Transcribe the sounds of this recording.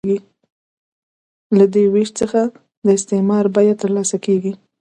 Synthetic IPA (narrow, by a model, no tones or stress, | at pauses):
ɡi | lad̪eweʃt͡səxa | d̪əɪst̪emɑɾbɑjat̪əɾlɑsakeɡi